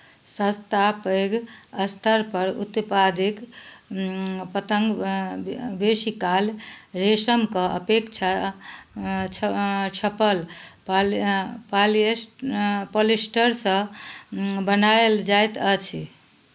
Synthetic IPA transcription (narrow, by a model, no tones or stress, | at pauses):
sə̃st̪apəɡəst̪ʰəɾpəɾṵt̪pad̪ek | pət̪əŋɡ | besikalɾesəmkəʔə̰pekt͡ʃʰa | t͡ʃʰt͡ʃʰəpəlp | pal | polesʈəɾsə̃ | bənaeld͡ʒajt̪ət͡ʃʰi